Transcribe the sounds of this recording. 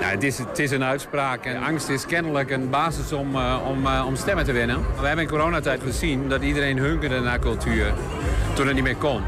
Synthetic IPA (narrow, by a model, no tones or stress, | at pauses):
na̰ətɪstɪs̬ənœɥtspraːkɛʔaŋstɪskɛnələkənbaːsəsɔmɔmɔmstɛmətəʋɪnənaʋəɦɛbənənkoɾoːnatɛjtχəzindɔtidərenɦøŋkərdənakɔlˠtʰyːər | tɔtət̚nitmɪːkɔn